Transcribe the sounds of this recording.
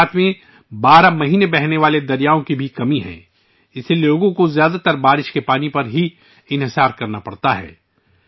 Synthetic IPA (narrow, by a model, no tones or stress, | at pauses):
t̪ʰmẽ | baːɾamɐɦiːnebɛɦneʋaːled̪ɐɾijaːõkibʱikɐmiɦɛ̰̃ː | ɪseloːɡõkozjaːd̪at̪ɐɾbaːɾɪʃkepaːnipɐɾɦi | ɪnɦɪsaːɾkɐɾnapɐɽt̪aɦɛ̰ː